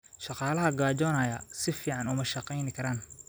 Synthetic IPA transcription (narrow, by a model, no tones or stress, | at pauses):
ʃɑqɑːlɐɦɐɡaːd͡ʒɔːnɐjɐsɪfiːʕɑnʊmɐʃɑqɛjnɪkʰɐɾaːn